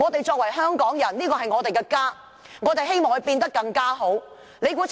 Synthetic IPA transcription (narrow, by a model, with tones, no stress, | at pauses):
ŋɔː˨˧t̪e˨jt͡sɔː˧k̚wɐ˨˩jɦœː˥ŋkɔː˨˥ŋjɐ˨˩nliː˥kɔː˧ɦɐ˨jŋɔː˨˧t̪e˨jkɛː˧kaː˥ | ŋɔː˨˧t̪e˨jɦe˥jmɔː˨˩ŋhɵ˨˧jpiː˧nt̪ɐ˥kːɐ˧ŋkaː˥ɦo˨˥w | le˨˧jkuː˨˥t͡s